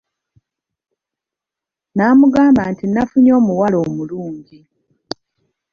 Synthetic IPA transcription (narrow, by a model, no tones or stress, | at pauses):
naːmuɡaːmbaːntinafuɲo̞ːmuwalo̞ːmuluːɲɟi